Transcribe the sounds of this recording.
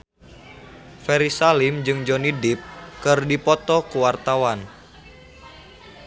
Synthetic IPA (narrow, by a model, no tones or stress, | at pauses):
fɛɾisalimd͡ʒɨŋd͡ʒɔnidip̚kɨrdipɔt̪ɔkuwart̪awan